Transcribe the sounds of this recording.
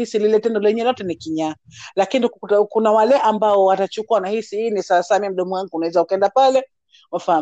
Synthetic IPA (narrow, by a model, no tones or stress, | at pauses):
isililɛtɛndɔlɛɲɛlatɛnikiɲa | lakinikutakunawalɛʔambaɔwatat͡ʃukuanahisiinisaasaːmim̩ɗɔmuwaŋɡuunawɛzaukɛndapalɛ | wafaa